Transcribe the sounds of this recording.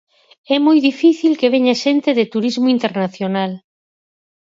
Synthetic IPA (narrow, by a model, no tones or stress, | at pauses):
ɛmojðifiθilkeβeɲaʃent̪eðɪt̪uɾizmʊint̪eɾnaθjonal